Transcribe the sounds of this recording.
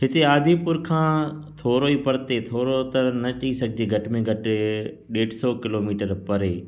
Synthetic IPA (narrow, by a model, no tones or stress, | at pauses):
ɦɪt̪eaːd̪ʱipʊɾkʰãːt̪ʰoːɾoiːpɐɾt̪et̪ʰoːɾot̪ɐnɐt͡ɕɐisɐɡʱɪd͡ʑeɡʱɐʈɪmẽɡʱɐʈɪ | ɗeːʈsɔːkɪloːmiːʈəɾpɐɾeː